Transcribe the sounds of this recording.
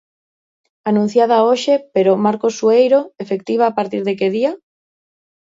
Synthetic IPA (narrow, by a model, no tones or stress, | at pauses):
anũn̟θjað̞aoʃepeɾomaɾkosuejɾoefek̚t̪iβ̞aːpaɾt̪iɾðekeðia